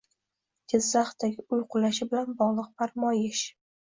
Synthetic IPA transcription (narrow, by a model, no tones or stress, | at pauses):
ɡ̥ʲɪzːaχt̪aɡʲɪʊjqʰʊlaʃɪbɪlanbɒʁlˠɨq̚pʰaɾmɒjɪʃ